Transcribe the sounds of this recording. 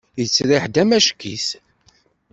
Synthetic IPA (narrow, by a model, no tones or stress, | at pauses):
jət͡sːɾɪħd̪æmæʃkːḭs